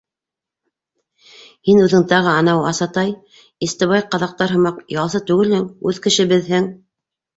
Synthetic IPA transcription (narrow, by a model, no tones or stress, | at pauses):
hinʉðɘŋt̪ɑʁɤɑnɑwɑsɑt̪ɑj | ist̪ɤ̆βɑjqɑðɑq̚t̪ɑɾɦɤ̆mɑqjɑlˠsɤt̪ʉɡɘlhɘŋʉðkɘ̆ʃɘbɘ̆ðɦɘŋ